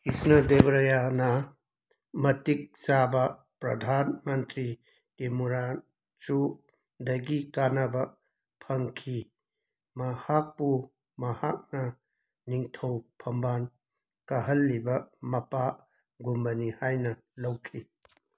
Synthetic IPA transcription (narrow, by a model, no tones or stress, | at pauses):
kisnɐd̪ebɐɾɐjanɐ | mɐtik̚sabɐ | pɾɐd̪ʱanmɐntɾi | emuɾan | t͡ʃu | dɐɡikanɐbɐ | pʰɐŋkʰi | mɐhak̚pu | mɐha̰k̚nɐ | niŋtʰɐwpʰɐmban | kɐɦɐlːibɐmɐpa | ɡumbɐnihajnɐ | lɐwkʰi